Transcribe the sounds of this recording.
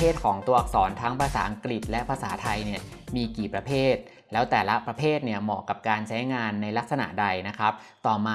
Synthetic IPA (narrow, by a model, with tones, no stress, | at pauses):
eː˥˩t̪̚kʰɔː˩˦ŋt̪u˧ɐʔa˨˩k̚sɔː˩˦nt̪ʰaː˦˥ŋpʰaː˧saː˩˦ʔa˧ŋkɾi˨˩t̪̚lɛ˦˥ʔpʰaː˧saː˩˦t̪ʰa˧jni˥˩ɐmiː˧kiː˨˩pɾa˧pʰeː˥˩t̪̚ | lɛː˦˥wt̪ɛː˨˩la˦˥pɾa˧pʰeː˥˩t̪̚ni˥˩əmɔː˨˩kːa˨˩p̚kaː˧nt͡ɕʰa˦˥jŋaː˧nːa˧jla˦˥k̚sa˧na̰˨˩da˧jna˦˥kʰɾa˦˥p̚t̪ɔː˨˩maː˧